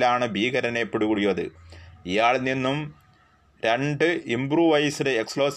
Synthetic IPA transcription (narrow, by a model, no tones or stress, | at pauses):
laːɳɨbʱiːɣɐɾɐnepːuɽukuɽijoɐðɨ̰ijaːɭninːum | ɾe̞ɳɖɨimbruʋɐjsideekspɭoːs